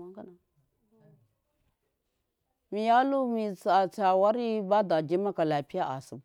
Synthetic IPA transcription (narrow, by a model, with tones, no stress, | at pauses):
a˦ŋka˦na˨ | mi˨ja˦lu˦mi˨t͡sa˨t͡sa˨wa˦ɾi˦ba˦da˨d͡ʒi˦ma˦ka˨la˨pi˦a˦ʔa̰˨su˨b